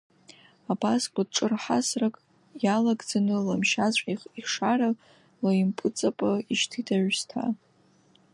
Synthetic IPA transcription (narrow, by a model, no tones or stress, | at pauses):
abaskʷʼad̚ʈ͡ʂʼɨrħasrakʼ | jalaɡd͡zanɨlamʃat͡ɕʷʼiiʂaɾa | lajimpʼɨt͡sʼapʼaiʃtʰidʰaʕʷstʰa̰